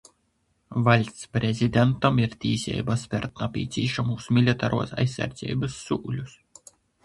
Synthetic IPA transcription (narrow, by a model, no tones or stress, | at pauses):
valʲt̪ʲspɾʲezʲid̪ʲɛnt̪ɐmiɾt̪ʲiːsʲɛ̰jbaspʲɛɾt̪napʲiːt̪sʲiːʃamuːsmʲilʲit̪aːɾuɔsa̰jsʲːa̰ɾd̪zʲɛ̰jbɨsːuːlʲus